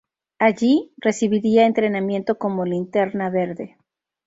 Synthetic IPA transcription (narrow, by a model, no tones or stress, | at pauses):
aʝire̞siβiɾiaent̪ɾe̞namje̞nt̪o̞ko̞mo̞lint̪e̞ɾnaβe̞ɾðe̞